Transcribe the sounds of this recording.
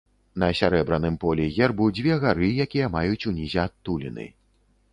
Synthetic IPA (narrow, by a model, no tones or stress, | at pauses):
nɐsʲaɾɛbɾɐnɨmpɔlʲɛɣʲɛrbud͡zʲvʲɛɣaɾɨjakʲijɛmajut͡sʲunʲizʲɛat̪ːulʲḭnɨ̰